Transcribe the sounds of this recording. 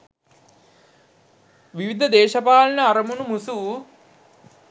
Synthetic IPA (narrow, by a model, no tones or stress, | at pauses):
ʋiʋid̪ʱɐd̪eːʃɐpaːlɐnɐːɾɐmunumusu